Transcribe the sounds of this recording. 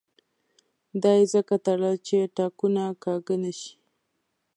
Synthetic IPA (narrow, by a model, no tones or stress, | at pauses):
d̪ɑjezəkat̪aɽat͡ʃeʈɑkunakɑɡənaʃi̥